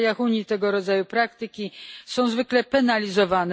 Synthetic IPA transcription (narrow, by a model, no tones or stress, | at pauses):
jaxuɲit̪ɛɡɔɾɔd̪zajupɾakt̪ɘkʲisɔ̃w̃zvɘklɛpɛnalʲizɔvan